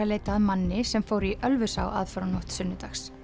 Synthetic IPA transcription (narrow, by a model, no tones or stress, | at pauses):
aleːjt̪aːðmanːɪsɛmfoːwɾiʔœlvʏsa̰wʔa̰ðfœɾanɔht̪sʏnːʏt̪axs